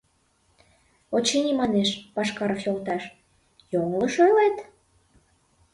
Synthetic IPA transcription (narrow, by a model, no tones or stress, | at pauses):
ot͡ɕenʲimɑneʃpɑʃkɑɾəfjolt̪ɑʃ | joŋləʃølet̪